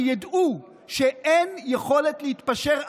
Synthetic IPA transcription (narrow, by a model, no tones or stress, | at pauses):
jad̪u | ʃeʔenjeχo̞le̞t̪lehit̪paʃeʁ